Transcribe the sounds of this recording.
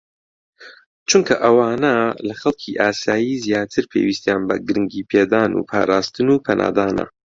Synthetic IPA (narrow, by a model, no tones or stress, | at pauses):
t͡ʃʰuŋkʰɐʔɐwaːnɐlɐxɐlˠkʰiʔaːsaːjizjaːt̪ʰɨɾpʰḛwist̪jaːnbɐ̰ɡɨɾɨŋɡiːpʰeːd̪aːnṵpʰa̰ːɾaːst̪ɨnuːpʰɐnʔa̰ːd̪aːnɐ̰